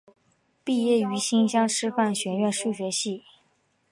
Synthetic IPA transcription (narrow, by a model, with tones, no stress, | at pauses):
pi˥˧jɛ˥˩y˧˥ɕi˥nɕjɑ˥ŋʈ͡ʂʰɻ̩˥fa˥˩nɕɥɛ˧˥nɥɛ˥˧nʂu˥˩ɕɥɛ˧˥ɕi˥˩